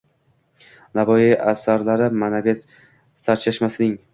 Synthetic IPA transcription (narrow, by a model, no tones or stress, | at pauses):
navɒjiʔasaɾlaɾɪmanavet̪ | saɾt͡ʃʰaʃmasɪnɪŋ